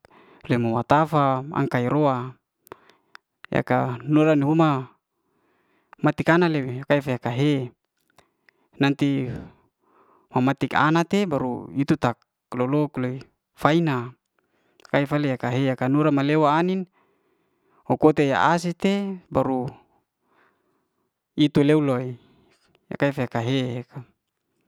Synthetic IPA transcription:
leimawat̪afaa̰ŋkaiɾoa | ja̰kanuɾaniɦuma | mat̪ikanaleweakaifajakaɦe | nant̪i | mamat̪ika̰nat̪ebaɾṵit̪ut̪ak | lolokloi | faina | kaifaleakaɦeakanuɾamalewaːnin | okot̪eja̰ʔas̬it̪ebaɾu | it̪uleuloi | a̰kaifaakaɦeekʰa

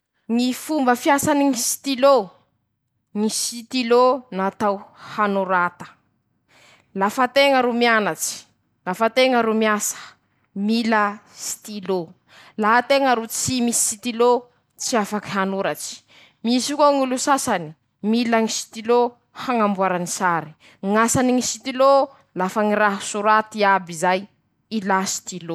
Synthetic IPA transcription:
ŋifumbəfjasaniŋisi̥t̪ilo | ŋisit̪ilonat̪awhanuɾat̪ə̥ | lafat̪eŋəɾumianat͡si̥ | lafat̪eŋəɾumiasə̥ | miləsi̥t̪ilo | laɦat̪eŋəɾut͡simisi̥sit̪ilo | t͡siafakiɦanuɾat͡si̥ | misikoŋulusasani̥ | milaŋisi̥t̪ilo | haŋambuaɾanisaɾi̥ | ŋasaniŋisit̪ilo | lafaŋiɾaɦusuɾat̪iabizaj | ilasi̥t̪ilo

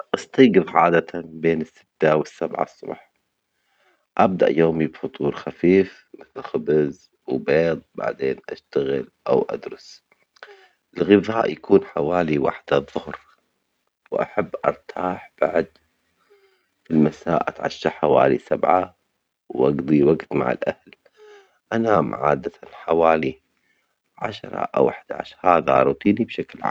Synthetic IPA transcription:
ʔɑst̪ɑːɡɨðʕa̰ːd̪at̪abeːnɪsːɪ̥t̪ːawɪsːabʕa̰sˤːʊ̰bħ | ʔab̚d̪a̰ʔjoːmibfʊt̪ˤuːɾxafiːf | mɪθɪlxɪbz | wbeːd̪ˤba̰ʕd̪eːnʔaʃt̪aɣɪlʔa̰wʔa̰d̪ɾʊs | ʔɪlɣɪvaːʔjakuːnħawaːliwa̰ħd̪aðˤːʊhɾ | wʔa̰ħabːʔɑ̰ɾˤt̪ʰaːħb̥aʕd̪ | filmasaːʔat̪ʕaʃːaħawa̰ːlisabʕa | wʔɑɡd̪ˤiwaɡt̪ma̰ʕɪ̰lʔahl | ʔanaːmʕa̰ːd̪aanħawaːli | ʕaʃɾˤɑ̰ʔa̰wʔaħd̪aʕa̰ʃhaːðaʔɑɾˤut̪ˤiːnibʃaklʕa̰ːm

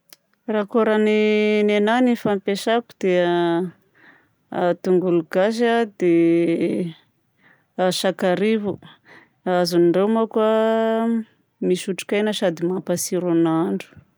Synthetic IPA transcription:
rakoɾaninenanifampeʃaku̥d̪̥e | at̪uŋɡuluɡaʃ̬ad̪e | aʃakaɾivu | azunɳɖ͡ʐewmakua | miʃuʈ͡ʂi̥kajnəʃad̪imapasiɾunaɳɖ͡ʐu̥

